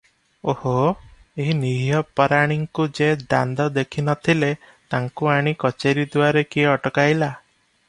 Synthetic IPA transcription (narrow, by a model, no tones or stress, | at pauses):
oho | eɦiniɦijɔpɔɾaɽ̃iŋkud͡ʒed̪a̰nd̪ɔd̪ekʰinɔt̪ʰile | t̪aŋkuaɽ̃ikɔt͡ʃeɾid̪uaɾekiɔʈɔkajla